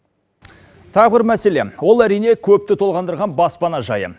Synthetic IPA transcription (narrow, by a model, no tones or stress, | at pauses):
t̪ʰɑʁbɪɾmæse̞le̞̰wo̞lˠæɾijne̞kʲʰɵp̚t̪ɪt̪ʰo̞lˠʁɑnd̪əɾʁɑnbɑspɑnɑʒɑjə̰